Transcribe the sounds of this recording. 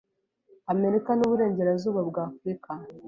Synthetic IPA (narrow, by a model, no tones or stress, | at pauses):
ame̞ɾikanuβuɾe̞ːɲɟe̞ɾazuːβabɡaːfɾika